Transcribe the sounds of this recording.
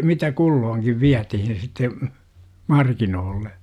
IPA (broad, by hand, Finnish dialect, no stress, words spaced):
mitæ kulːoːŋkiʋ ʋiætihin sitːe mɑrkinoːlːe